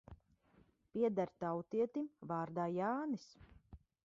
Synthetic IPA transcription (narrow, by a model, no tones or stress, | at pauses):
piɛd̪aɾt̪awt̪iɛt̪imvaːɾd̪aːjaːnis